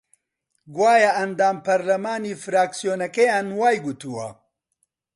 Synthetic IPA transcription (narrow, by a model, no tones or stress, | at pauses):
ɡwaːjɐʔɐnd̪aːmpɐɾlɐmaːniːfɾaːksijoːnɐkɐjaːnwaːjɡut̪uːwɐ̰